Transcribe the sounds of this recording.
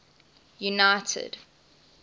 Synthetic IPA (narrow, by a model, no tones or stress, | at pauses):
junaɪtʰə̰d